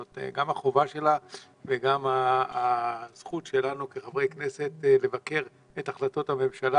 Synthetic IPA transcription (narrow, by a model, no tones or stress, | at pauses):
otɡamaχo̞vaʃe̞la | veɡamaː | z̥χut̪ʃe̞lanukeχavʁe̞jkne̞se̞t̪le̞vake̞ʁ | etaχlato̞thame̞mʃala